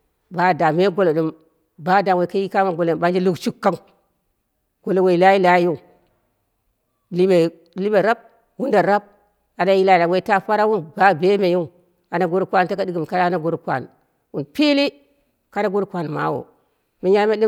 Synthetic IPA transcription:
ba˨˦da˨me˦ɡo˦lo˨ɗi˦m | ba˦da˨we˨ka˦ji˦ka˦ma˨ɡo˨lo˨ba˨˦nd͡ʒi˦lu˦kt͡ʃu˦kːa˦ŋ | ɡ̥o˨lo˨we˨i˨la˦ji˦la˦ju˦˨ | li˦me˨ | li˦be˨ɾa˦b̚ | wu˦nda˨ɾa˦b̚ | a˨da˦ji˦la˨da˨we˦˨ta˦ɸa˦ɾa˦wu˦nba˦be˦me˨ju˦˨ | a˨na˨ɡo˦ɾu˨kʷa˦nta˦ka˦di˦ɡi˨m˨ka˦da˦na˨ɡo˦ɾu˨kʷa̰˨n | wu˨npi˦li˦ | ka˦da˦ɡu˦ɾkʷa˨nma̰˨˦wo̰˨ | mi˨ja˦me˦di˦

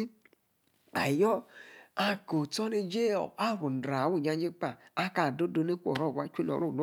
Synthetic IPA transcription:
a̰˨jɔ˦a˨ko˨tɔ˦ne˧d͡ʒe˦ɔ̰˨a˦ɾu˨n̩˨dɾa˨wu˦˨ɲa˧d͡ʒe˦k͡pa˨a˦ka˨do˦do˨˧˦ne˦kʷɔ̰˨ɾɔ˦˨wʷa˦t͡ʃʷu˦˨ɔ̰˨ɾo˦˨lu˦

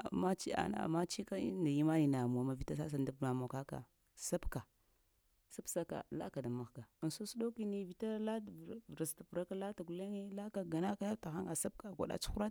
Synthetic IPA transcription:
a̰˨ma˦t͡ʃi˦a̰˨n˨a̰˨ma˦t͡ʃi˦ka˦ḭ˦nda˨ji˦ma˦ji˨na˨mu˨a˨˦ma˨vi˨ta˦sa˦s̬a˨nda˦bma˨mo˨ka˦ka̰˨ | sa˦bka˨ | sa˦bsa˦ka̰˨la̰˦ka˨da˨ma˨xɡa˨ə˨nsu˦su˦do˦ki˦ni˦vi˨ta˦la˦tvɾa˨sta˨pu˨ɾa˦ka˦la˦ta˨ku˨le˦ŋe˦la˦ka˨ɡa˨na˦ka˦ja˦ta˨xa˦ŋa˨sa˦b̚ka˨ɡʷa̰˨ɗa̰˨t͡ʃu̥˦xu˦ɾa˦

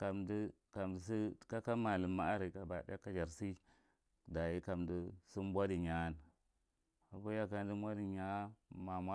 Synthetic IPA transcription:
ka˨mdi˦ | ka˨mdi˨si˦ka˦ka˦ma˨lə˨ma˨a˦ɾi˨ka˨ba˨ɗa˦ka˦d͡ʒa˨ɾsi˦ | da˨ji˦ka˨mdi˦si˦m˦bʷa˦di˨ɲa˦n | a˨bu˦ja˦ka˦n˦di˦bʷa˦di˨ɲa˦ma˨ma˦

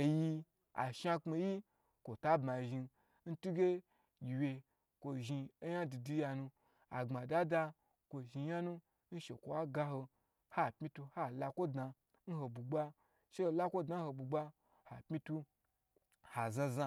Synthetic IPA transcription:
ji˧ | a̰˨ʃa˧k͡pe˧ji˦ | kʷo˨ta˦bma˨ʒi˧ | n̩˦tu˦ɡʲe˦ | ɡʲi˨wje˧ | kʷo˧ʒi˧e˦ja˦du˨du˧ja˧nu˧ | a˨ŋ͡ma˨da˦da˧ | kʷo˨ʒi˧ja˦nũ˦ | n̩˦ʃe˨kʷo˨wa˦ɡa˧ɦo˧ | ha˦˨pmi˦tu˧ha˦la˧kʷo˦dna˧ | n̩˦ɦo˨bu˨ɡ͡ba˦ | ʃe˦˨la˦kʷo˦dna˨˦n̩˦ho˧bu˨ɡ͡ba˦ | ha˨pmi˦tu˧ | ha˨zã˧za˧

